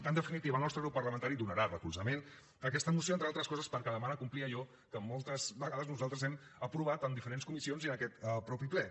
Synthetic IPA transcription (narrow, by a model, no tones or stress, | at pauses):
ənd̪əfinit̪iβəlˠnɔst̪ɾəɣɾupːərləmənt̪aɾid̪unəɾarəkuzəmen | əkɛst̪əmusioent̪ɾalˠt̪ɾəskɔzəspəɾkɛðəmanəkumpliəʒɔ | kəmɔlˠt̪əzβəɣaðəznuzalˠt̪ɾəzɛm | əpɾuβ̞at̪ənd̪ifəɾenskumisionziənəkɛt̪əpɾɔpiplɛ